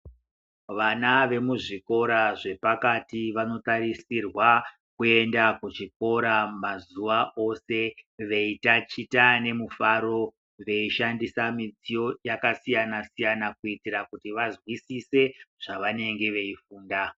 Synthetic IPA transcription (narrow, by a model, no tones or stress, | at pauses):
ʋanaʋe̞muʐiko̞ɾaʐe̞pakatiʋano̞taɾisirwa | kue̞ndakut͡ʃik̚o̞ɾamazuʋao̞se̞ʋe̞itat͡ʃitane̞mufaɾo̞ | ʋe̞iʃandisamid͡zijo̞jakasijanasijanakuitirakutiʋazwisise̞ʐ̥aʋane̞ŋɡe̞ʋe̞ifuːnda